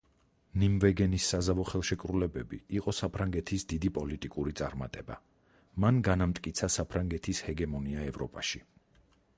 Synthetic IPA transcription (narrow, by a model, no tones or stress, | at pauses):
nimvɛɡɛnisːazavɔχɛlˠʃɛkʼɾulɛbɛbḭiqʼɔsapʰɾaŋɡɛt̪ʰisd̪id̪ipʼɔlit̪ʼikʼuɾit̪sʼaɾma̰t̪ʼɛba̰ | manɡanamt̪ʼkʼit̪sʰasapʰɾaŋɡɛt̪ʰishɛɡɛmɔniaɛvɾɔpʼaʃi